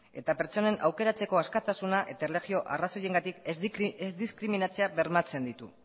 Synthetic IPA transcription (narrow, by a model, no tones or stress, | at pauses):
e̞̰t̪ape̞ɾt͡so̞ne̞nʔa̰wke̞ɾat͡se̞ko̞askat̪asunaʔe̞t̪aeleɣio̞ʔaraso̞je̞ŋɡat̪ikezd̪iskɾiminat͡seaβe̞ɾmat͡se̞nd̪it̪ṵ